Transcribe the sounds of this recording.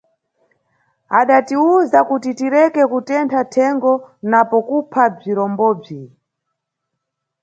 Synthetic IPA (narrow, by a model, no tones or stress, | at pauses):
aɗatiuzakutitiɾɛkɛkutɛntʰatʰɛŋɡɔnapɔkupʰab͡ʐiɾɔmbɔːb͡ʐi